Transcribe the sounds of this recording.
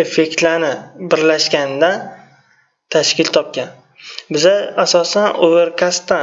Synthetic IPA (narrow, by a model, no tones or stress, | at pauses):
efe̞kʲt̪lanɪbɪɾlaʃkʲand̪an | t̪ʰaʃkʲɪlt̪ʰɒp̚kʲan | bɪzaasɒsanoveɾkʰʲast̪ːa